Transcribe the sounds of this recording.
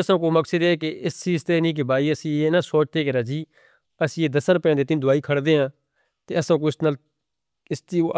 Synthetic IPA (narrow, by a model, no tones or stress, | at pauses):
əsãːk̬oːməksəd̪ɛːkeɪsiːst̪eːnĩːk̬ebaːiːəsĩːeːnasoːt͡ʃt̪eːkeɾaːd͡ʒiː | əsĩːeːd̪əsɾəpjãːd̪eːt̪̬ɪnd̪ʊaːiːkʰəɽd̪eːɦãː | t̪eːəsãːk̬oːɪsnaːl | ɪst̪iː